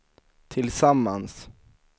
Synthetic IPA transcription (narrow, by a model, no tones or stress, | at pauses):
t̪ʰɪlsamːans